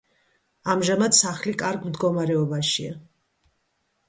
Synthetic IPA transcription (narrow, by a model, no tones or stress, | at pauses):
amʒamad̪saχlikʼaɾɡmd̪ɡɔmaɾɛɔbaʃia